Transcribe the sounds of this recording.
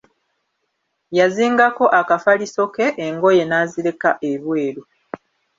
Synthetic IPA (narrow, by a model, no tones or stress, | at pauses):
jaziːŋɡako̞ʔakafaliso̞ke̞ʔːŋɡo̞je̞naːziɾe̞kaʔeβwe̞ːɾu